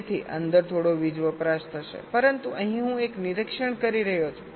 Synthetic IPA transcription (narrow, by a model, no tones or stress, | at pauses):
t̪ʰiʔə̰nd̪əɾt̪ʰoɽoʋid͡ʒʋəpɾaʃt̪ʰəʃḛpəɾənt̪uʔəɦĩɦũekniɾəkʃəɳkəɾiɾəɦjot͡ʃʰ